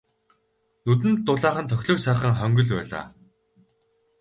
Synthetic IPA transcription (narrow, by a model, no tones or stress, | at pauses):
nut̪ɘ̆nt̪ːʊɮaːχə̆nt̪ʰœxʲɮɞ̆ksaːχə̆ŋχœŋɡɵ̆ɮpæ̰ːɮa̰ː